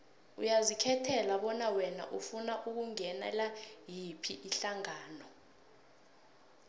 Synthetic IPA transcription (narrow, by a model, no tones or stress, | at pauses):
ujazikʰɛtʰɛlaɓɔnawɛna̰ʔufunaʔuk̬uŋɛnɛ̰lajipʰiʔiɬaŋaːnɔ